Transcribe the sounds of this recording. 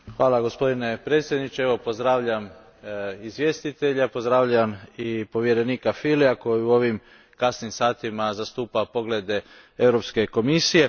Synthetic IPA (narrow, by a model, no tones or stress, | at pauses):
xʋaːlˠaɡo̞spo̞d̪ine̞pɾet̪sje̞d̪nit͡ʃeeʋo̞po̞zd̪ɾaːʋʎam | izʋje̞ːst̪it̪e̞ʎapo̞zd̪ɾaːʋʎaamipo̞ʋje̞ɾe̞niːkafiliako̞jiuo̞ʋim | kasnimsaːt̪imazast̪uːpapo̞ɡle̞d̪e | e̞vɾo̞pske̞ko̞misije̞